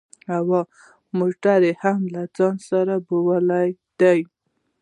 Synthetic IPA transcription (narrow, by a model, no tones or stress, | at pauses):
awa | moʈaɾehamlad͡zɑnsaɾabowəlajd̪̥aj